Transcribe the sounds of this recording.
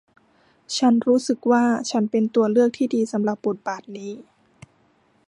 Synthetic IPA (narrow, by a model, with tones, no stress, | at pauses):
t͡ɕʰa˦˥nɾuː˦˥sɯ˨˩k̚waː˥˩t͡ɕʰa˦˥npe˧nt̪u˧ɐlɯ˥˩ək̚t̪ʰiː˥˩diː˧sa˩˦mla˨˩p̚bo˨˩t̪̚baː˨˩t̪̚niː˦˥